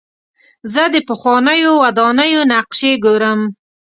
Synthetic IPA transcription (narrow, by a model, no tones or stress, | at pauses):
zəd̪əpəxwɑnəjowad̪ɑnəjonaqʃeɡoɾəm